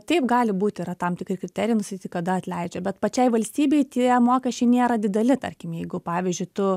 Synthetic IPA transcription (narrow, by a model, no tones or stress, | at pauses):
t̪ʲɛɪpɡɑːlʲɪbuːt̪ʲɪiɾɐt̪ɐmt̪ʲɪkɾʲɪkɾʲɪt̪ʲɛːɾʲɪjɪnʊst̪ɐt̪ʲit̪kɐd̪ɐɐt̪ʲlʲɛɪd͡ʒʲɛbʲɛt̪pɐt͡ʃʲɛɪʋɐlʲsʲt̪ʲiːbʲɛɪt̪ʲiɛmoːkʲɛʃʲt͡ʃʲɛɪnʲeːɾɐd̪ʲɪd̪ʲɛlʲɪt̪ɐ̰rʲkʲɪmjɛɪɡʊpɑːʋʲizʲd͡ʒʲʊɪt̪ʊ